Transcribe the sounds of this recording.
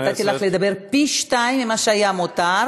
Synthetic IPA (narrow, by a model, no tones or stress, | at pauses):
t̪at̪ilaχled̪abe̞ʁpiʃt̪ajimːimaʃeajamot̪a